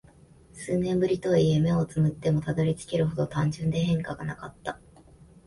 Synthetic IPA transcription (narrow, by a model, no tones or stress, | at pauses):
sɨːnẽ̞mbɯ̟ɾʲit̪o̞ie̞me̞o̞t͡sɨmɯ̟t̪ːe̞mo̞t̪ad̪o̞ɾʲit͡sɨ̥kʲe̞ɾɯ̟ɦo̞d̪o̞t̪ãɲ̟d͡ʑɨ̃nd̪e̞hẽ̞ŋkaɡanakat̪ːa